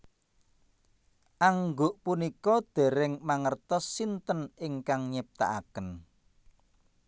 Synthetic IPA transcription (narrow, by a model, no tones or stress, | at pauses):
ʔaŋɡoʔpunikɔd̪̥e̤ɾɪŋmaŋərt̪ɔsːint̪ənɪŋkaŋɲep̚t̪a̰ʔa̰kən